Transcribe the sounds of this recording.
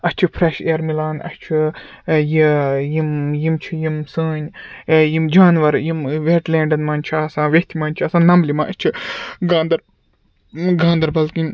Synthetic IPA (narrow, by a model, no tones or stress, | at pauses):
ɐst͡ʃʰipʰɾeʃeːɾmilaːnɐ̰st͡ʃʰi | jijimjimt͡ʃʰijimsəːɲjimd͡ʒaːnʋɐɾjimʋeːʈlẽːɳɖɐnmaːnʲt͡ʃʰiaːsãːʋet̪ʰimaːnʲt͡ʃʰiɐːsãːnɐmlimãːʔɐt͡ʃʰiɡãːnd̪ɐɾ | ɡãːnd̪ɐɾbɐlkinʲ